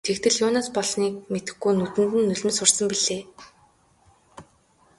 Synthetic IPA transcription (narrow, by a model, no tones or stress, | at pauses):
t̪ʰekt̪ɘ̆ɮjʊːnaːspɔɮniːk̚met̪ɘ̆xɡujnɵt̪ɘ̆nt̪ɘ̆nːɵɮʲɵ̆nsʊrsə̆mpiɮeː